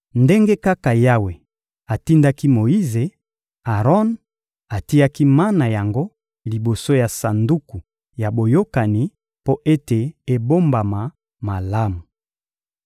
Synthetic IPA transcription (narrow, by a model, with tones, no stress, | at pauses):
nde˦ŋɡe˦ka˦ka˨ja˦we˨ | a˨ti˦nda˦ki˦mo˨ji˦ze˨ | a˨ʁɔ˦n | a˨ti˦ja˦ki˦ma˦na˨ja˨ŋɡo˦ | li˨bo˨so˦ja˨sa˨ndu˦ku˨ | ja˨bo˨jo˦ka˨ni˨ | po˦ʔe˦te˨e˨bo˦mba˨ma˨ | ma˨la˦mu˨